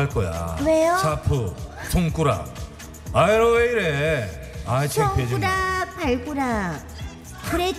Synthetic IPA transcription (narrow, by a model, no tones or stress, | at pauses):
aɭk͈ʌja̰kɯɾejot͡ɕʰapʰut͡ɕʰoŋk͈uɾa̰ | aeɾoweiɾe | at͡ɕʰeŋpʰed͡ʑiɾapaɭɡuɾa | kɯɾe